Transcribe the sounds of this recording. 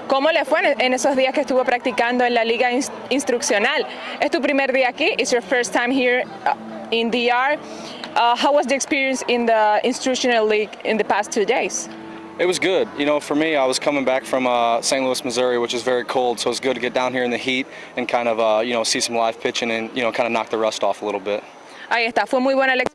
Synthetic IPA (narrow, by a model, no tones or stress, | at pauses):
komolefweʔenesozðiaskest̪uβopɾak̚t̪ikãnd̪oẽnlaliɣa | ĩnst̪ɾuksjonal | est̪up̬ɾimeɾðiaːkiʔɪsjoɹfɜɾst̪ːãj̃mhiɹ | ĩnd̪iaɹ | ahawazðiekspiɾiə̃nsɪ̃nðəĩnst̪ɾuʃonalːiɡɪ̰̃nðəpast̪ʰːudejs | ɨt̚wʌzɡʊd̚jɨñoʊfə˞miaɪwʌz̥kʰʌ̃mɪ̃ŋbækfɹʌ̃mʌsẽɪ̃ntləsmɨzʊɹiwɨt͡ʃʌzvɛɹikʰoʊlˠd̥soʊtszɡʊd̚tʰɨɡɛt̚d̥ãʊ̃nhiɹɨ̃nðɨhit | ɨ̃nkʰãɪ̃ndʌvʌjɨñoʊsisʌ̃m̩laɪfpʰɪt͡ʃɪ̃ŋɨ̃njɨnoʊkʰãɪndənɑ̰k̚ðəɹʌstɔfəlɪɾl̩ˠbɪt̚ | ʔaiest̪afwemujbwẽnale